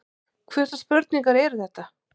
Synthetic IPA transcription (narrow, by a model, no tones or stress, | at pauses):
kʰvɛɾ̥t̪aspœɾt̪̚niŋkaɾɛɾʏθɛht̪ːa